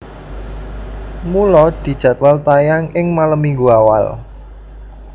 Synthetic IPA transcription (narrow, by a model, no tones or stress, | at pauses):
mulɔd̪̥i̤d̥ʒ̥ä̤t̪̚walt̪ajaŋɪŋmaləmiŋɡuawa̰l